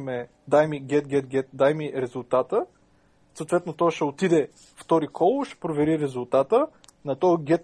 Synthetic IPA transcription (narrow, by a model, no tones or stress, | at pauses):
mɛ | d̪ajmiɡʲɛt̪̚ɡʲɛt̪̚ɡʲɛt̪̚d̪ajmiɾɛzʊlˠt̪at̪ə | soːt̪vɛt̪not̪ɔʃɛot̪id̪ɛ | ft̪ɔɾikʰɔlˠʃɛ̥pɾovɛɾiɾɛzʊlˠt̪at̪ə | nɐt̪ɔɡʲɛt̪